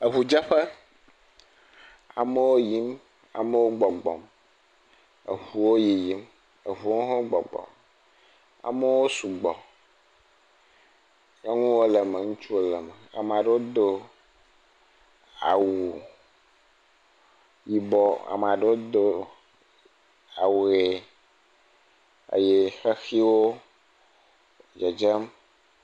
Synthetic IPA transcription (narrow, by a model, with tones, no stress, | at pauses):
e˨ɦu˨d͡ʒa˦ɸe˦ | a̰˨me˦wo˦ji˦m | a̰˨me˦wo˦ɡ͡bɔ˨ɡ͡bɔ̰˨m | ḛ˨ɸu˨wo˦ji˨ji˦m | e˨ɦu˨wo˦ɦɔ̃˦ɡ͡bɔ̰˨ɡ͡bɔ̰˨m | a̰˨me˦wo˦su˨ɡ͡bɔ˨ | je˦ŋũ˦wo˦le˨me˨ŋũ˦t͡ʃu˦o˦lɛ˨me˨a̰˨me˨a˨ɖe˦wo˦d̪o˦ | a̰˨wu˨ | ji˨bɔ˦a̰˨m˨a˨ɖe˦wo˦d̪o˦ | a˨we˨ | ḛ˨je˦xe˦xi˦wo˦˨ | d͡ʒɛ˨d͡ʒɛ˦m